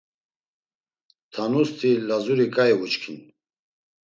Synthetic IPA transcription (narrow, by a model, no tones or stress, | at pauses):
t̪ʰanust̪ʰilazuɾikʼaɛvut͡ʃkʰin